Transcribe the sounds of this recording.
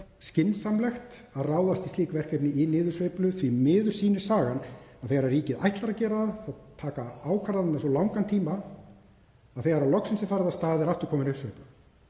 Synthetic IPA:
scɪnsamlɛxt̪ | aðraːwðast̪ist̪iːkvɛr̥kɾejpnɪinɪːðʏɾ̥svejplʏθvimɪːðʏɾ̥siːnɪ̥saːɣanaðθejɣaɾarriːcɪða̰jht̪laɾacɛːɾaðaðθawt̪ʰːaːkaaːwkʰvaɾðannasɔlawŋkant̪ʰiːma | aðθejɣaɾawlɔksɪnsɪfaɾðast̪aːðɪɛɾaft̪ʏ̥ɾ̥kʰɔːmɪnʏsvejplʏ

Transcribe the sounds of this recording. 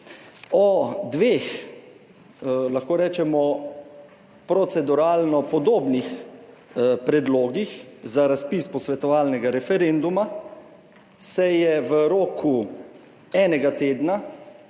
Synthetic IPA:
ɔd̪ʋex | laxkoːɾɛːt͡ʃɛmɔ | pɾɔt̪sɛd̪uɾaːlnɔpɔd̪oːbnix | pɾɛd̪loːɡixzaɾaspiːspɔsʋɛt̪ɔʋaːlnɛɡaɾɛfɛɾend̪uma | sɛjɛʋəɾoːku | ɛːnɛɡat̪eːd̪na

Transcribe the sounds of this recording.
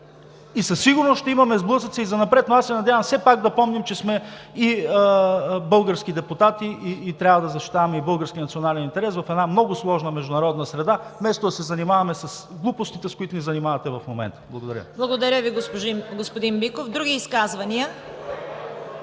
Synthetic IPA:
isɐsːiɡʊɾnosʃt̪ɛimɐmɛzblˠɤsət̪səizɐnɐpɾɛt̪noasɛnɐd̪ʲjavɐmfsɛpaɡd̪ɐpɔmnimt͡ʃɛsmɛi | bɤlˠɡəɾskid̪ɛpʊt̪at̪iʔiːt̪ɾʲjavɐd̪ɐzɐʃt̪i̥t̪avɐmɛibɤlˠɡəɾskʲinɐt̪sionalɛnint̪ɛɾɛsvɐfɛd̪namnɔɡʊslˠɔʒnəmɛʒd̪ʊnɐɾɔd̪nəsɾɛd̪amɛst̪od̪ɐsɛzɐnimavɐmɛsɐsɡlˠupost̪it̪ɛskoit̪ʊnizɐnimavɐt̪ɛvɐfmomɛ̰nt̪ə̥blˠɐɡod̪ɐɾʲə̰blˠɐɡod̪ɐɾʲəviɡospʒiɡospod̪imbikofd̪ɾuɡʲiːskazvɐniə

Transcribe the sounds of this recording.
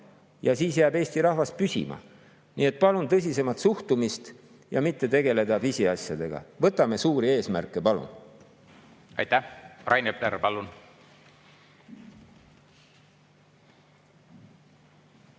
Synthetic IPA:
jɑsiːsjæːbe̞ːsʲt̪iɾɑhvɑst̪̚pysʲḭmɑ̰ | nḭe̞t̪̚ˑpɑlunt̪ɤs̬ʲise̞mɑt̪suht̪umist̪ | jɑmit̪ːe̞t̪e̞ɡe̞le̞d̪ɑvisiɑsʲjɑd̪̥e̞ɡ̥ɑ̰vɤt̪ːˑɑme̞suːɾie̞ːsmærkˑːe̞pɑlṵn | ɑ̰jt̪æhrʔɑjnepleɾpɑlun

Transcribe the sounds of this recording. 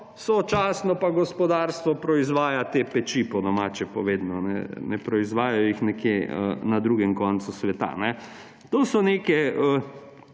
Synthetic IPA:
sot͡ʃaːsnɔpaɡɔspɔd̪aɾst̪ʋɔpɾɔizʋaːjat̪epɛt͡ʃipɔd̪ɔmaːt͡ʃɛpɔʋeːd̪nɔnɛ̰nɛpɾɔizʋaːjajɔjixnɛkjeənad̪ɾuːɡɛmkɔnt̪susʋɛt̪a̰nɛ | t̪oːsɔnekɛə

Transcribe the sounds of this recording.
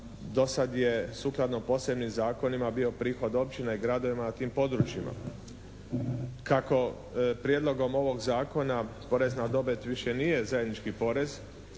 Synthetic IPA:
d̪o̞sad̪je̞suklˠad̪nopo̞se̞bnimzaːko̞nimabio̞pɾiːxo̞d̪o̞p̚t͡ɕineiɡɾad̪o̞ʋimanat̪iːmpo̞d̪ɾut͡ʃjima̰ | kako̞ | pɾjed̪lˠo̞ɡo̞mo̞ʋo̞ɡzaːko̞napo̞ɾe̞znad̪o̞bet̪ʋiʃje̞nije̞zaje̞d̪nit͡ʃkipo̞ɾe̞z

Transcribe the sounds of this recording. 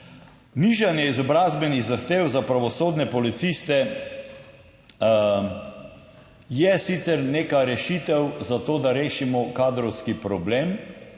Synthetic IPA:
niʒanjɛizɔbɾaːzbɛniɣzaxt̪eːwzapɾaʋɔsoːd̪nɛpɔlit̪sist̪ɛ | jɛsit̪sɛɾneːkaɾɛʃit̪ɛwzat̪oːd̪aɾeːʃimɔkaːd̪ɾɔwskipɾɔbleːm

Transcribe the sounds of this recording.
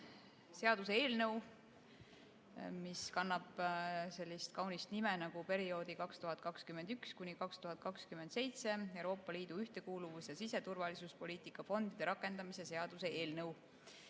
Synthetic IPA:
se̞ɑd̪̥useeːlnɤw | miskɑnːɑb̥se̞lʲːist̪̚kɑwnist̪nimenɑɡ̥upe̞ɾio̞ːd̪̥ikɑkst̪uɦɑt̪̚ːˑkɑkskymend̪ykskunʲikɑkst̪uɦɑt̪̚ˑkɑkskymend̪se̞jt̪se̞ewɾo̞ːpːˑɑliːd̪̥uyht̪e̞kuːluvusjɑsise̞t̪urvɑlisuspo̞lʲiːt̪ikːˑɑfo̞nd̪̥id̪̥e̞ɾɑkːˑe̞nd̪̥ɑmise̞se̞ɑd̪̥use̞ʔeːlnɤw

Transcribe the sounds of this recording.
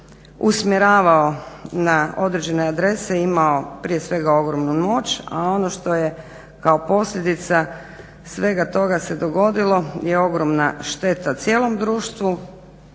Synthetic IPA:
usmjeɾaːʋaonao̞d̪ɾed͡ʑe̞ne̞ad̪ɾe̞seimao̞pɾije̞sʋe̞ɡao̞ɡɾo̞mnumo̞t͡ɕa̰o̞noʃt̪o̞je | kaopo̞sʎʲe̞d̪it̪sa | sʋe̞ɡat̪o̞ɡase̞d̪o̞ɡo̞d̪ilˠo̞je̞o̞ɡɾo̞mnaʃt̪e̞t̪at̪sʲje̞ːlˠo̞md̪ɾuːʃt̪ʋu

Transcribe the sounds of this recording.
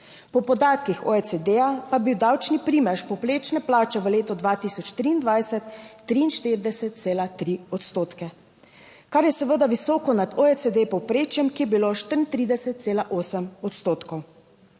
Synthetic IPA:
pɔpɔd̪aːt̪kixɔesed̪ejapabiwd̪awt͡ʃnipɾiːmɛʃpɔpleːt͡ʃnɛplaːt͡ʃɛʋəleːt̪ɔd̪ʋat̪isɔt͡ʃt̪ɾiːnd̪ʋaːjsɛt̪ː | ɾiːnʃt̪iɾid̪ɛsɛt̪̚t̪seːlat̪ɾiɔt̪st̪oːt̪kɛ | kaɾjɛsɛʋəd̪aʋisɔːkɔnad̪oesed̪epɔwpɾeːt͡ʃjɛmkijɛbiloʃt̪əɾnt̪ɾiːd̪ɛsɛt̪̚t̪seːlaʔoːsəmɔt̪st̪oːt̪kɔw

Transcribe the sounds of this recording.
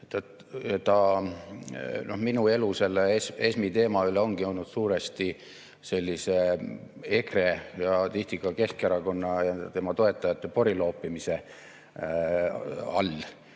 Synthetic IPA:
t̪ɑt̪ | ɑt̪ɑ | no̞hminue̞luse̞lːeese̞smit̪e̞ːmɑyleo̞ŋɡ̥io̞lnud̪̥suːɾest̪i | se̞lʲːise | e̞kre̞jɑt̪ist̪ikːɑke̞skɑɾɑko̞nːɑjɑt̪e̞mɑt̪o̞e̞t̪ːˑɑjɑt̪ːˑepo̞ɾilo̞ːpːˑimise̞ | ɑ̰lː

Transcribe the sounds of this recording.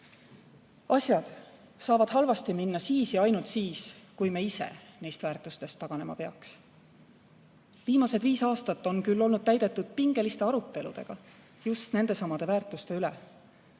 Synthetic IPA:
ɑsʲjɑd̪̥ | sɑːvɑd̪̥ɦɑlvɑst̪iminːɑsiːsjɑɑjnult̪siːskujmeise̞̰nejst̪væːrt̪ˑust̪e̞st̪ːɑɡ̥ɑne̞mɑ̰pe̞ɑ̰ks | viːmɑse̞d̪viːsɑːst̪ɑt̪ːo̞nkylːo̞lnud̪̥̚t̪æjd̪̥e̞t̪ːˑud̪̥̚piŋɡ̥e̞list̪e̞ɑɾut̪ːˑe̞lṵd̪̥e̞̰ɡ̥ɑ | just̪ne̞nd̪e̞sɑmɑd̪̥e̞væːrt̪ˑust̪e̞ylḛ

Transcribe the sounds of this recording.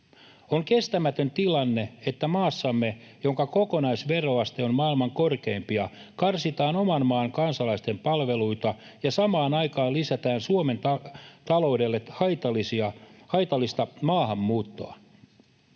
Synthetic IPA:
oŋke̞st̪æmæt̪ønt̪ilɑnːeet̪ːæmɑːsːɑmːe̞ | jo̞ŋkɑko̞konɑisʋe̞ro̞ɑst̪eommɑːilmɑŋko̞rke̞impiɑ | kɑrsit̪ɑːno̞mɑnmɑːŋkɑnsɑlɑist̪empɑlʋe̞luit̪ɑjɑsɑmɑːnɑjkɑːnlisæt̪æːnsuome̞nt̪ɑt̪ɑlo̞udelːehɑt̪ɑlisiɑhɑjt̪ɑlːist̪ɑmɑːɦɑmːuːt̪ːo̰ɑ̰

